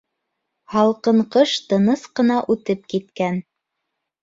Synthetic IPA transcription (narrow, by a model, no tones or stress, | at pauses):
hɑlˠqɤ̆ɴqɤʃt̪ɤ̆nɤsqɤ̆nɑʔʉt̪ɘp̚kit̪kæn